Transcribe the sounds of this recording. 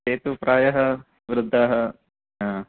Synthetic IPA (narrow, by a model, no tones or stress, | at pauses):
teːt̪upɾaːjɐɦɐ | ʋɾɪd̪ʱːaːɦɐ | aː